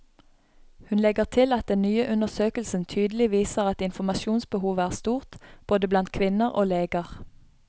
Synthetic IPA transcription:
hʉnlɛɡəʁt̪ʰɪlɑt̪̚d̪ɛnnyːəʔʉnəʁsøːkəlsn̩t̪ʰyːd̪l̩ɪʋiːsəʁɑt̪ɪnfɔmɑʃuːnsbəhuːʋəæːʁst̪uːʁt̪b̥oːd̪əblɑnt̪̚kʰʋɪnəʁo̰ːleːɡəʁ

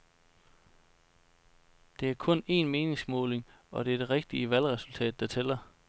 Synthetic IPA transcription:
d̥e̝æɐkʰɔ̽ne̝̰ːnme̝ːne̝ŋsmɔ̽ːle̝ŋ | ɒ̽d̥e̝æɐd̥e̝ʁeɡ̥̚d̥iəʋælʁɛsult͡sʰɛ̰ːd̥ːɑ̈t͡sʰelɐ

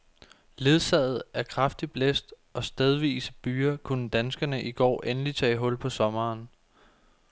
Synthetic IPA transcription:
le̝ð̞ˠsɛ̰ð̞̩ˠæɐkʰʁɑfd̥ib̥lesd̥ | ɒ̽sd̥eð̞ˠʋḭːsə̥b̥yːɐkʰunəd̥ænsɡ̥ɐnəʔiɡ̥ɒ̰ːʔenəlit͡sʰɛ̰ːɦɔ̽l̰pʰɒ̽sɒ̽mɐːn

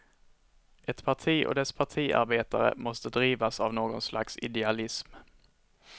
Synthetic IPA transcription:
ʔɛt̪pʰaʈʰiːʔɔ̰d̪ɛspʰaʈʰiːʔa̰ɾbeːt̪a̰ɾə̰mɔst̪əd̪ɾiːvasavnoːɡɔnslʔa̰ksɪ̰d̪ɛalɪsm

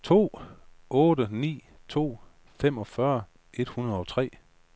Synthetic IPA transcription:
t͡sʰo̝̰ː | ɔ̽ːdənḭː | t͡sʰo̝̰ː | fem̰ɒ̽fɶɐ | ʔe̝d̥hunɐð̞̩ˠɒ̽t͡sʰʁɛ̰ː

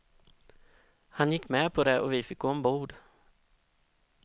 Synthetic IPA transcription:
hanjɪkːmɛːpʰɔd̪ɛʔɔ̰vɪfɪk̚ɡoːɔmbuːɖ̪

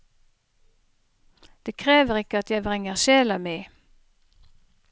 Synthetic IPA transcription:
d̪̥eːkʰʁeːʋəʁɪkəɑt̪jæɪbʁɛŋəʁʃeːlɑmiː

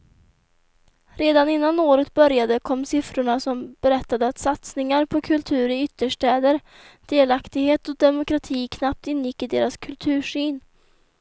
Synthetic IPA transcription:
ɾeːd̪anɪnːanoːɾət̪̚bœɾjad̪əkʰɔmːsɪfɾʊɳasɔmb̥ɛɾɛt̪ːad̪əat̪sat̪snɪŋaɾpʰɔkʰɵlt̪ʰʉ̟ːɾɪʏt̪ːəʂʈɛːd̪əɾ | d̪̥eːlakt̪ɪɡheːt̪ɔd̪ɛmʊkɾat̪ʰiːkʰnap̚t̪ɪnːjɪkːɪd̪eːɾaskʰɵlt̪ʰʉ̟ːʂiːn

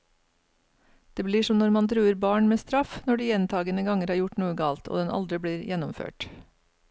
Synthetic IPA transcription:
d̪̥eːbliːʂɔmnɔɾmɑnt̪ʰɾʉːəɾbɑːɳmeːst̪ɾɑfnɔɖiːjɛnt̪ʰɑːɡənəɡɑŋəɾhɑːɾjʊʈnuːəɡɑːlt̪o̰ːd̪ɛnʔɑ̰ld̪ɾɪbɽiːɾjɛnɔmfø̰ːʈ

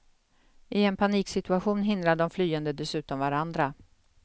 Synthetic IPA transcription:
ʔɪɛnpʰaniːksɪt̪ɵaɧuːnɦɪnd̪ɾad̪ɔmflyːənd̪əd̪ɛsʉ̟ːt̪ɔmvaɾand̪ɾa

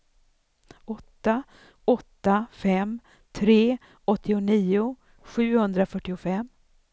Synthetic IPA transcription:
ɔt̪ːa | ɔt̪ːafɛm | t̪ʰɾeː | ɔt̪ʰːɪʊniːʊ | ɧʉ̟ːhɵnd̪ɾafœʈːɪʊfɛmː

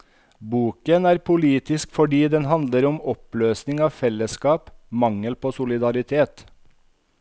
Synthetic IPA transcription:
buːkənæːɾpʰʊliːt̪ɪskfɔɖiːd̪ɛnɦɑnd̪ləɾɔmɔpløːsnɪŋɑːʋfɛlːəskɑːpmɑŋəlpʰoːsʊlɪd̪ɑɾɪt̪ʰeːt̪

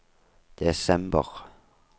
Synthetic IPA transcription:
d̪̥esɛmb̥əʁ

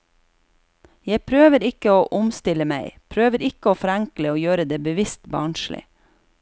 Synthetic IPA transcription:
jæɪpʰɾøːʋəɾɪkəoːʔʊmst̪ɪləmæɪpʰɾøːʋəɾɪkəoːfɔɾæŋkləoːjøːɾəd̪eːbəʋɪst̪bɑːɳʃlɪ̰

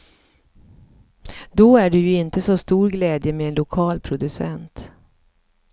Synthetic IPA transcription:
d̪ɔæɖɵjɵɪnt̪əsɔst̪uːɾɡlɛːd̪jəmɛːnlʊkʰɑːlpʰɾʊd̪ɵsɛ̰nt̪

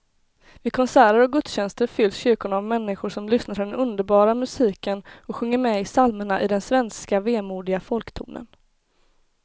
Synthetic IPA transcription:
vɪkʰɔnsæːɾəɾɔɡɵt̪sɕɛnst̪əɾfʏlːsɕʏɾkʊɳavmɛnːɪɧʊʂɔmlʏsnaɾʰɪd̪ɛnɵnd̪əɾbɑːɾamɵsiːkənɔɧɵŋːəɾmɛɪsalməɳaʔɪd̪ɛnsvɛnskaveːmuːɖɪɡafɔlkt̪ʰṵːnə̰n

